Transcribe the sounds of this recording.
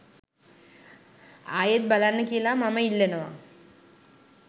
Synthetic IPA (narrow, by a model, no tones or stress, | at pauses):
aːjet̪̚balanːəkijəlamaməilːenəʋa̰